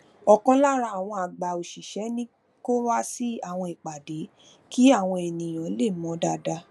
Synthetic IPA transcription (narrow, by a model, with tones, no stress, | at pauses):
ɔ˨kɔ̃˧˦la˦ɾa˧˦a˨w̃ɔ̃˧a˨ɡ͡ba˨o˨ʃi˨ʃɛ˨˦nĩ˦ | ko˦wa˦si˦a˦˨w̃ɔ̃˧i˨k͡pa˨de˨˦ | ki˦a˦˨w̃ɔ̃˧ɛ˨nĩ˨j̃ã˨˦le˦˨mɔ̃˨˦da˧da˧